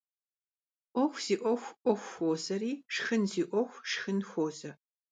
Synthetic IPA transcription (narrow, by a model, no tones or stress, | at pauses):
ʔʷɔxʷz̥iːʔʷɔxʷʔʷɔxʷxoːzɐɾiːʂxɨnziːʔʷɔxʷʂxɨnxʷoːzɐ